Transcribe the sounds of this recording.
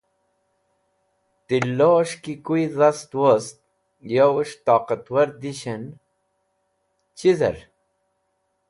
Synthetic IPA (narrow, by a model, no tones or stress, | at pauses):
t̪ilːoːʂkikuizɐst̪wost̪̚ | jawʂt̪ɑːqat̪wɐɾd̪iɕen | t͡ɕizɐ̰ɾ